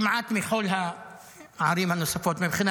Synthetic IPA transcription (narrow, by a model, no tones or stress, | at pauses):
maʕaːt̪mixoːlɦa | ʕɑɾˤiːmʕanːosˤɑfoːt̪mabxɪn